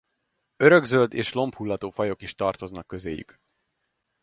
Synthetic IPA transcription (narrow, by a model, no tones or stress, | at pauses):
ø̞ɾø̞ɡzøld̪ḛːʃlo̞mphulːɒt̪oːfɒjo̞kiʃt̪ɒrt̪o̞znɒkːø̞zḛːjy̰k